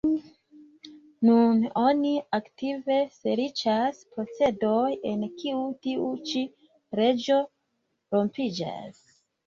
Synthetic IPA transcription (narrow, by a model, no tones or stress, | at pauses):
nuno̞niaktive̞se̞ɾit͡ʃaspo̞t͡se̞do̞je̞nkiutiut͡ʃi | ɾe̞d͡ʒo̞ | ɾo̞mpid͡ʒa̰s